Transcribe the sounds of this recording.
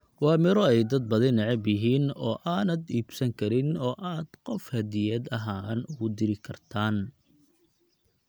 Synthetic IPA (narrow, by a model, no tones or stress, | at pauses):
wɑːmɪɾɔɛjd̪ɐd̪̚bɐðɪnːɛʕɛbjɪɦiːnɔːʔaːnɐd̪iːbsɐŋkʰɐɾɪnɔːʔaːd̪̥qɔfhɐd̪ɪjɛːd̪ɐɦaːnʊɣʊd̪ɪɾɪkʰɐrt̪ʰaːn